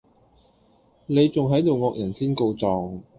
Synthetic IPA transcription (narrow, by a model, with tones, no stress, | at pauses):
ne˨˧jt͡sʊ˨ŋɦɐ˨˥jt̪o˨wŋɔː˧k̚jɐ˨˩nsiː˥nko˧wt͡sɔː˨ŋ